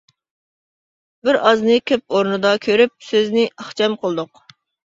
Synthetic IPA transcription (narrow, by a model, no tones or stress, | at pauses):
bɪɾɑznɨkʲʰøp̚oɾnɨd̪ɑkʲʰøɾyp̚søznɪɑχt͡ʃʰɛmqʰəlˠd̪ʊq